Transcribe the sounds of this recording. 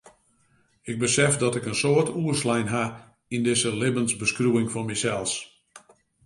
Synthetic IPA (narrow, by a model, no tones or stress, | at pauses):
ɪɡ̚bəsɛfdɔtɪkənsoːərtʰuəslɛjnɦa | indɪsəlɪbənzbəskruɪŋfɔnmɛsɛlˠs